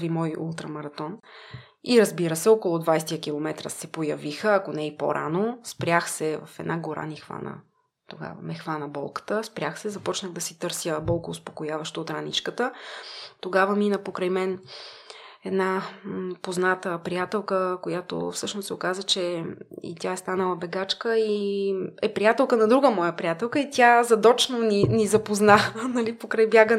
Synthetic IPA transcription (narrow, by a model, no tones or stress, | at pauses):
vimɔjṵlˠt̪ɾəmɐɾɐt̪ɔn | iɾɐzbiɾəsɛɔkolˠʊd̪vajsɛt̪ijəkilˠomɛt̪ɾə̰sɛpojɐvixəakonɛipo̰ɾʔa̰nospɾʲjaxsɛvɐ̰fɛd̪nʔaɡoɾa̰nixva̰nə̰ | t̪oɡa̰və̰mɛxvanəbɔ̰lˠkə̥t̪əspɾʲaxsɛzɐpɔt͡ʃnəɣd̪ɐsit̪ɤɾsjəbɔlˠkoːspokojavɐʃt̪oːt̪ɾanḭt͡ʃkət̪ət̪oɡavəminəpokɾəjmɛn | ɛd̪napoznat̪əpɾijat̪ɛlˠkəkojat̪o̰fsɤʃnʊsɛokazət͡ʃɛḭt̪ʲjaɛst̪anəlˠɐbɛɡat͡ʃkəi | ɛpɾijat̪ɛlˠkənɐd̪ɾuɡəmɔjəpɾijat̪ɛlˠkəit̪ʲazɐd̪ɔt͡ʃnoninizɐpoznanənɐlipokɾajbjaɡə